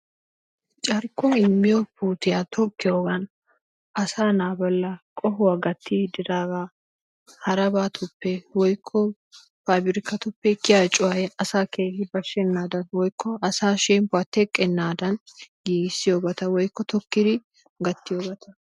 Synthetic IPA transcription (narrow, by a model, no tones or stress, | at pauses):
t͡ʃʼɐɾkːɔɪmːɪjɔpuːt̪ɪjat̪ʰɔkːɪjoːɡɐn | ɐsaːnaːbɐlːɐkʼɔɦʊwaɡɐt̪ʰːid̪ɪd̪aːɡaː | hɐɾɐbaːt̪ʰʊpːɛwɔjkʰːɔ | faːbɪɾɪkːɐt̪ʊpːɛkːɪjaːt͡ʃʼʊwɐjɛɐsaːkʰeːhɪbɐʃɛnːaːd̪ɐnwɔjkːɔɐsaːʃɛmpʊɐt̪ːɛkʼːɛnːaːd̪ɐnɡiːɡɪsːɪjoːbɐt̪ɐwɔjkːɔt̪ʰɔkːɪd̪ɪ | ɡɐt̪ːɪjoːbɐt̪ʰɐ